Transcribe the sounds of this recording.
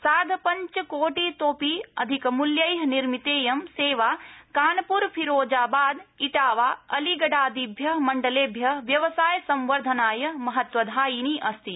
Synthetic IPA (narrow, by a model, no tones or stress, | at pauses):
saːd̪ʱpɐɲt͡ʃkoːʈit̪oːpiɐd̪ʱikmuljɐjɦniɾmit̪eːjɐmseːʋaːkaːnpuɾpʰiɾoːd͡ʒaːbaːd̪iʈaːʋaːɐliɡɐɖaːd̪ibʱjɐmɐɳɖɐleːbʱjɐʋjɐʋsaːjsɐ̃mʋɐɾd̪ʱɐnaːjɐmɐɦɐt̪ʋɐd̪ʱaːjiːniʔɐst̪i